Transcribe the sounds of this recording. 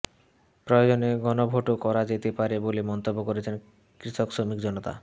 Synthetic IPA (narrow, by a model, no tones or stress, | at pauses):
pɾɔjod͡ʑoneɡɔnobʱoʈokɔɾad͡ʑet̪epaɾebolemɔnt̪obːokoɾet͡ɕʰen | kɾit̪oksomikd͡ʑɔnot̪a̰